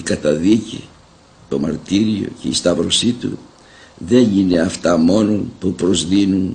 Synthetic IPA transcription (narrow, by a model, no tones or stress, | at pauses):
ikɐt̪ɐðici | t̪o̞mɐɾt̪iɾio̞̰ce̞ist̪ɐvɾo̞sit̪ṵ | ðe̞nine̞ɐft̪ɐmo̞no̞npupɾo̞zðinun